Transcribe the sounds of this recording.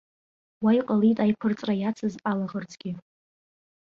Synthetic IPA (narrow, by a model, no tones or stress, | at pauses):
waijqʼalitʼajpʷʰɨrt͡sʼrajat͡sʰɨzalaʁərt͡sʰʼɡʲi